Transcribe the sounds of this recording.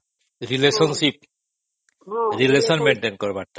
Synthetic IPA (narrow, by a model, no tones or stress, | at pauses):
ɾilesɔnsip | ɾilesɔnmeɳʈenkɔɾbaɾʈa